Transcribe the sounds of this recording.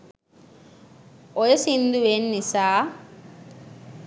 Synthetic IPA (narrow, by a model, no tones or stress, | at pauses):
ɔjesind̪uwenːisaː